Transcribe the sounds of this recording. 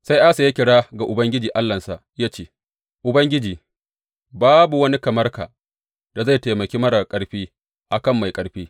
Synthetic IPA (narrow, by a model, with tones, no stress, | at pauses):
sa˦jʔa˦sa˨ja˦kʲɪ˨ɽaː˦ɡa˨ʔʊ˨bɐ˦ŋɡʲɪ˦d͡ʒiː˨ʔa˦lːɐ˨nsa˨ʔjaː˦t͡ʃeː˦ | ʔʊ˨bɐ˦ŋɡʲɪ˦d͡ʒiː˨ | baː˦bu˨wɐ˦ni˦kɐ˨mɐ˦rka̰ː˨ | d̥a˨za˦˨jteː˨mɐ˨kʲeː˦mɐ˦ɽa˨kʼɐ˨ɽɸiː˦ | ʔa˨kɐ˦˨mːa˨jkʼɐ˨ɽɸiː˦